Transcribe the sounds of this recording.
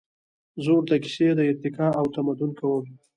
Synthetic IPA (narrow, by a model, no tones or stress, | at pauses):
zoɽd̪əki̥sed̪əɪɾt̪ɪkɑawt̪amad̪ʊnkawəl